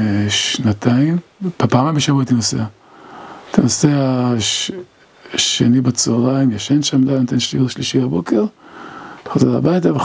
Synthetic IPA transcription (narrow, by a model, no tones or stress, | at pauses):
ʃnat̪ʰaimapaːmabeʃavuat̪inosea | t̪ʰanosea | ʃenibet͡solaimjaʃenʃamdajnot̪enʃlilʃliʃiabokeʁ | te̥xozela̰bajt̪ave